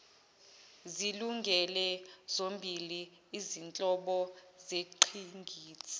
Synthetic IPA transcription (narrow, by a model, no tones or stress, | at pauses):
ziluŋɡʱɛlɛzombʱiliː | zint͡ɬʼɔɓɔzeǃʰiŋɡʱiːt͡sʰi̥